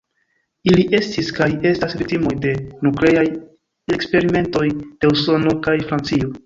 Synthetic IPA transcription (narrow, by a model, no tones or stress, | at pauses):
iliʔe̞stiskaje̞stasvitimo̞jde̞nukle̞aj | e̞kspe̞ɾime̞nto̞jd̥e̞uso̞no̞kajfɾant͡sio̞